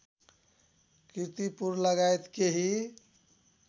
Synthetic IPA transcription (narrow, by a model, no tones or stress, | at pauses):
kiɾt̪ipuɾləɡajt̪keɦi